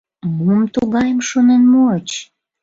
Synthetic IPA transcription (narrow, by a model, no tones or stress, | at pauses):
momt̪uɣɑjəmʃonenmoət͡ɕ